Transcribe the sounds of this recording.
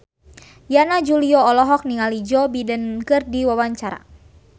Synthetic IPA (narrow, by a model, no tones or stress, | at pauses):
janad͡ʒuliɔːlɔɦɔk̚niŋalid͡ʒɔbidənkɨrdiwawaɲt͡ʃaɾa̰